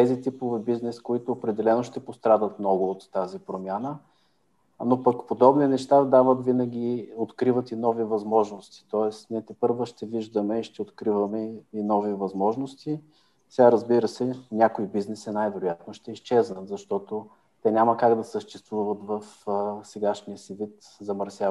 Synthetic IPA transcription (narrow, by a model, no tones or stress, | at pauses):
t̪ɛzit̪ipovibiznɛskoit̪oːpɾɛd̪ɛlɛnoʃt̪ɛpost̪ɾad̪ət̪mnɔɡʊot̪ːazipɾomʲjanə | nopɐkpod̪ɔbninɛʃt̪ad̪avət̪vinəɡ̟ʲiot̪kɾivət̪inɔvivɐzmɔʒnost̪i̥t̪ɔɛsnʲiɛt̪ɛpɤɾvoʃt̪ɛviʒd̪əmɛiʃt̪ɛot̪kɾivɐmɛinɔvivɐzmɔʒnost̪i | sɛɡaɾəzbiɾəsɛnʲakoibiznɛsɛnajvɛɾojat̪noʃt̪ɛist͡ʃɛznət̪zɐʃt̪ɔt̪o | t̪ɛnʲaməkaɡd̪ɐsəʃt̪ɛst̪vuvət̪vəfsɛɡaʃnijəsivit̪ | zɐmɐɾsʲja